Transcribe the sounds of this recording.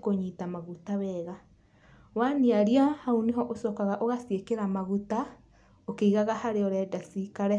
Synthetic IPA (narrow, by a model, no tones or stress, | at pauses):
koɲitamaɣutawɛɣa | waniaɾiahauniɦɔʔosɔkaɣaʔoɣasiekeɾamaɣuta | okeiɣaɣahaɾeɔɾɛdasikaɾɛ